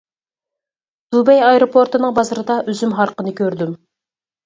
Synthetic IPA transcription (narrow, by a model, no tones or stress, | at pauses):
d̪̥ubɛjɑjɾopʰoɾt̪ɨnɨŋbɑzɨɾɨd̪ɑʔyzymɦɑɾqənɨkʲʰøɾd̪ym